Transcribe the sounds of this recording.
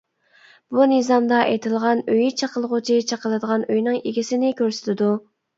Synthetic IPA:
b̥unɨzɑmd̪ɑʔet̪ʰɪlˠʁɑnøjit͡ʃʰɑqəlˠʁʊt͡ʃʰit͡ʃʰɑqəlˠɨd̪əʁɑnøjnɪŋeɡʲisɪnɪkʲøɾsɪ̥t̪ʰɪd̪u

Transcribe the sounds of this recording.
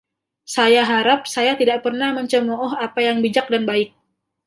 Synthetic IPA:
sajaɦaɾap̚sajat̪idaʔpərnahməɲt͡ʃəmɔɔɦapajaŋbid͡ʒak̚danbaɪk̚

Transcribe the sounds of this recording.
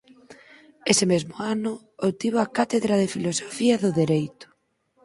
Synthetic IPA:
esɪmezmʊanʊ | owt̪iβoakat̪eðɾað̞efilosofiɐðʊðeɾejt̪ʊ̥

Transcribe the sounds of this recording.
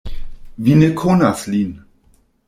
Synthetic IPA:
vinekʰonaslin

